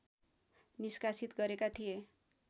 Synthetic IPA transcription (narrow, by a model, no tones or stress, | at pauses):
niskasit̪ɡʌɾekat̪ʰije